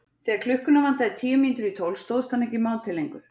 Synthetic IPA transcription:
θɛːɣaɾkʰl̥ʏhkʏnavan̥t̪aðɪt̪ʰiːjʏmint̪ʏɾit̪ʰowlst̪oːwðst̪aniŋcimaːwnt̪ʰɪlːejŋkʏ

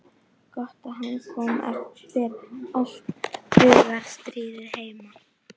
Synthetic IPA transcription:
kɔht̪aɦanskʰɔmɛ̰ɾɪɾɔl̥t̪ʏːɣaɾ̥st̪ɾiːðɪɾheːjma

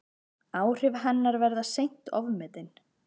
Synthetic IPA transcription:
aːwr̥ɪvhanːaɾvɛɾðasejn̥t̪ʰɔ̰vmɛt̪ɪn

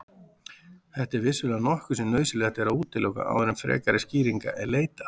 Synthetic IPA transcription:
θɛht̪ɪɾvɪsʏlɛanɔhkʏsɛmnœːɥsɪlɛaht̪ɛɾauːt̪ɪlːɔwka̰ʔa̰wvɛɾɪmfɾɛ̰ːkaɾɪsciːɾiŋka̰ʔɛðleːjt̪ḁ

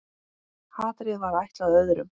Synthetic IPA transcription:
haːt̪ɾɪðvaɾajht̪laðœðɾʏm

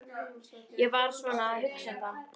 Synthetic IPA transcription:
jɛvaɾ̥svɔnaɦʏksɛnt̪a

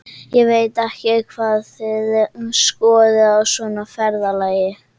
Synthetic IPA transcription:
jɛɣveːjt̪ɛhcɪkʰvaːðθɪðskɔːðɪawsɔnafɛɾðalaːjɪ

